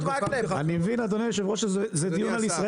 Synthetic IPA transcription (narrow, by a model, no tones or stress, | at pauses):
animevinad̪oneʃeboʃazed̪iunalisʁa